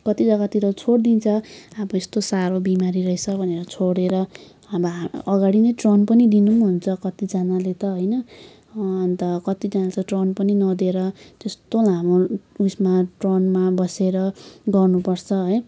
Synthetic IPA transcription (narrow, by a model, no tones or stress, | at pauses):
kʌt̪id͡zʌɡat̪iɾʌt͡sʰoɽd̪int͡sʰʌabʌest̪osaɾobimaɾiɾʌet͡sʰʌbʱʌneɾʌt͡sʰoɽeɾʌ | abʌʌɡaɽinʌjʈronpʌnid̪inumɦunt͡sʰʌkʌt̪id͡zanalet̪ʌɦojnʌː | nt̪ʌkʌt̪id͡zanat͡sʰʌʈronpʌninʌd̪eɾʌt̪est̪olamousmaʈronmabʌseɾʌɡʌrnupʌrt͡sʰʌɦʌj